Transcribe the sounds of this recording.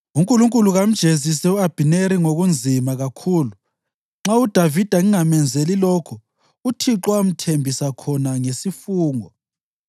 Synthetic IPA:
uŋkʼuluŋkʼuluɣam̩d̥ʒ̥ʱezis̬ɛuab̥ʱineɾiŋoɣund͡zʱimaɣakʰuːlu | ŋ͡ǁaud̥ʱavid̥ʱaŋiŋamɛnd͡zʱelilɔːkʰɔ | utʰiǁwam̩tʰembʱisakʰɔnaŋesifuːŋɔ

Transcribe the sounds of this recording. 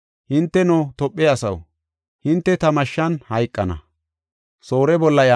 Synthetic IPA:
hɪnt̪ːɛnoːt̪ɔpʼːɛɐsɐw | hɪnt̪ːɛt̪ɐmɐʃːɐnhɐjkʼːɐnɐ̰ | so̞ːɾɛbɔlːɐja

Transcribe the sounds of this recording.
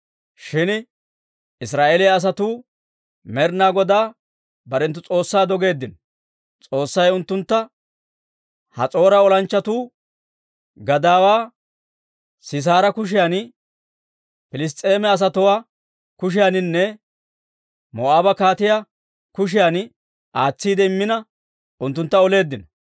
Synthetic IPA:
ʃɪn | ɪs̬ɾaːʔeːlɪjɐːs̬ɐt̪uː | mɛɾnaːɡɔd̪aː | bɐɾɛnt̪ːʊt͡sʼo̞ːsːaːd̪ɔɡe̞ːd̪ːɪn | t͡sʼo̞ːsːɐjʊnt̪ːʊnt̪ːɐ | hɐ̰t͡sʼo̞ːɾɐɔlɐnt͡ʃːɐt̪uː | ɡɐd̪aːwaː | sɪs̬aːɾɐkʊʃ̬ɪjan | pɪlɪs̬t̪ʼːe̞ːmɛɐs̬ɐt̪ʊwaː | kʊʃ̬ɪjanɪnːɛ | mɔaːbɐkaːt̪ɪja | kʊʃ̬ɪjan | ʔaːt͡sːiːd̪ɛɪmːɪnɐ | ʊnt̪ːʊnt̪ːɐɔle̞ːd̪ːɪnɐ

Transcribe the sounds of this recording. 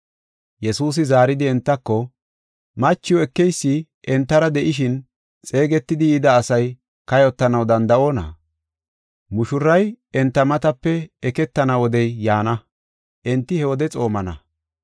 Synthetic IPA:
jɛsuːs̬ɪzaːɾɪd̪ɪɛnt̪ːɐkːɔ | mɐt͡ʃːɪjwɔɛkːɛjsːɪ | ʔɛnt̪ːɐɾɐd̪ɛʔɪʃ̬ɪn | t͡sʼe̞ːɡɛt̪ːɪd̪ɪjɪd̪ɐːsɐj | kɐjɔt̪ːɐnɐwd̪ɐnd̪ɐʔo̞ːnɐ̰ | mʊʃʊɾːɐjɛnt̪ːɐmɐt̪ɐpːɛɛkɛt̪ːɐnɐwɔd̪ɛjːaːnɐ | ʔɛnt̪ːɪhɛwɔd̪ɛt͡sʼo̞ːmɐnɐ̰

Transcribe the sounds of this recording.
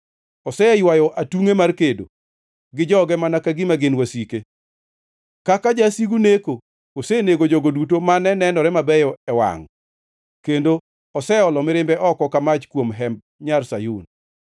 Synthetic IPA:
ɔsɛjwajɔʔatuŋemarkedo̰ | ɡɪd͡ʒɔɡɛmanakaɡɪmaɡenwasike | kakad͡ʒasiɡuneko | oseneɡod͡ʒoɡodutomanɛnɛnɔɾɛmabɛjɔɛwa̰ŋ | kendo | ɔsɛɔlɔmɪɾɪmbɛʔɔkɔkamat͡ʃkwomɦɛmb̚ | ɲarsajun

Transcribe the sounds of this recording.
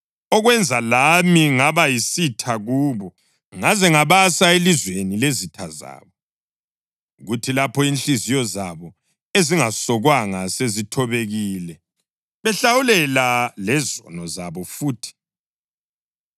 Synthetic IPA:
ɔɣwɛnd͡zʱalamiŋaβajisitʰaɣuːβɔ | ŋazɛŋaβasaelizwenilezitʰaza̰ːβɔ | ɣutʰilapʰɔinɬizijɔzaβɔ | eziŋasɔɣwaŋasezitʰɔβeɣilɛ | βɛɬawulɛlalɛzɔ̰nɔzaβɔfuːtʰi̥

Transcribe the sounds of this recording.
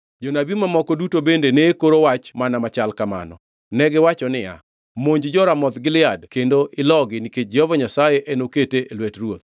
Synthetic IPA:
d͡ʒɔnabimamɔkɔdutobendeneːkoɾowat͡ʃmanamat͡ʃalkama̰nɔ̰ | nɛɡɪwat͡ʃɔnɪja̰ | moɲd͡ʒd͡ʒɔɾamɔt̪ɡɪlɪadkendoʔɪlɔɡɪniket͡ʃ̚d͡ʒɔvɔɲasajeʔenoketeʔelwɛtrwot̪̚

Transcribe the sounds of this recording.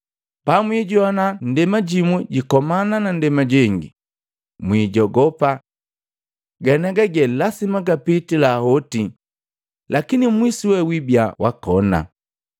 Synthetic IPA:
pamwiːɟɔnan̩dɛmaɟimwɛɟikɔmananandɛmaɟɛŋɡḭ | mwiːɟɔɡɔpa | ɡanaɡaɡɛlasimaɡapitilahɔti | lakinimwisiwɛwibjawakɔna̰

